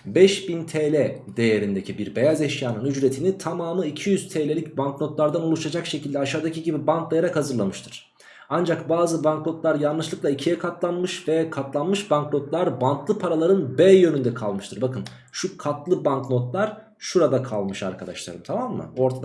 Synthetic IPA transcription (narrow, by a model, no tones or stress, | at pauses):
bɛʃbint̪ʰelʲɛd̪e̞jeɾind̪e̞cʰibiɾbe̞jazɛʃjaːnɯnyd͡ʒɾe̞t̪ʰinit̪ʰamaːmɯicʰijyz̥t̪ʰelʲe̞lʲicbankno̞t̪lˠaɾd̪anolˠuʃad͡ʒakʃe̞cʰilʲd̪ɛaʃaːd̪acʰiɟibibankd̪ˠejaɾakhazɯɾlˠamɯʃt̪ʰɯɾ̥ | and͡ʒakbaːzɯbanŋklo̞t̪lˠaɾjanlˠɯʃlˠɯklˠaicʰijɛkʰat̪lˠanmɯʃvɛkʰat̪lˠanmɯʃbaŋklɾo̞t̪lˠaɾbank̪lˠɯpʰaɾalˠaɾɯnbeːjø̞nynd̪ɛkʰalˠmɯʃt̪ʰɯɾbakɯn | ʃukʰat̪lˠɯbankno̞t̪lˠaɾ̥ | ʃuɾad̪akʰalˠmɯʃa̰ɾkʰad̪a̰ʃlˠa̰ɾɯmt̪ʰamamːɯ̰o̞ɾt̪ʰad̪